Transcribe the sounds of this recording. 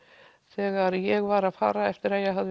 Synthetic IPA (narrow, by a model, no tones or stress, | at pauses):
θɛːɣaɾjɛɣvaːɾaðfa̰ːɾaɛft̪ɪɾaðjɛɣɦað